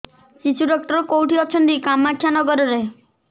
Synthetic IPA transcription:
t͡ʃit͡ʃʰuɖɔk̚ʈɔɾɔkowʈiɔt͡ʃʰɔnt̪ikamːakʰjanɔɡɔɾɔɾe

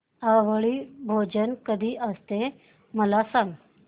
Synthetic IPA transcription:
aʋəɭiːbʱod͡ʑənkəd̪ʱiːʔəst̪e | məlasãŋɡ

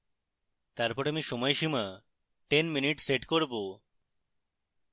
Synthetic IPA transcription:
t̪aɾpɔɾamiʃɔmɔeʃima | ʈenminiʈseʈkoɾbo

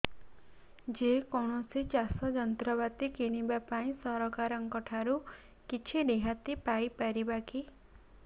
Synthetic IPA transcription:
d͡ʒekɔɳ̃ɔsit͡ʃasɔd͡ʒɔnt̪ɾɔβat̪ikiɽ̃ibapaĩsɔɾɔkaɾɔŋkɔʈʰaɾu | kit͡ʃʰiɾeɦat̪ipaipaɾibaki

